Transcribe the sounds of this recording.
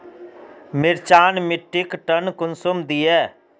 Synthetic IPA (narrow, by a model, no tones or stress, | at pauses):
mɪɾt͡ʃaːnmɪʈːɪkʈənkʊnsʊmd̪iːɛː